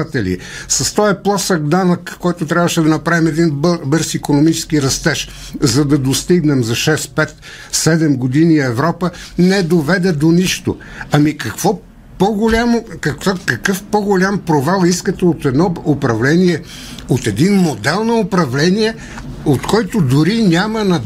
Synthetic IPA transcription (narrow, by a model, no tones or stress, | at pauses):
t̪ɛlḭ | sɐst̪ɔɛplˠɔsəɡd̪anəkːɔjt̪ot̪ɾʲavəʃɛd̪ɐnɐpɾavimɛd̪inbbɤɾsikonomit͡ʃɛ̥sk̟iɾɐst̪ɛʃ | zɐd̪ɐd̪ost̪iɡnɛmzɐʃɛspɛt̪ | sɛd̪ɛmɡod̪iniɛvɾɔpənɛd̪ovɛd̪ɛd̪oniʃt̪o̰ɐmikɐkvɔ | poɡolʲamokɐkkɐkɤfpoɡolʲampɾovalˠiskət̪ɛot̪ɛd̪nɔopɾɐvlɛniɛ | ot̪ɛd̪inmod̪ɛlˠnoopɾɐvlɛnijɛ | ot̪kɔjt̪ʊd̪ʊɾinʲamənɐ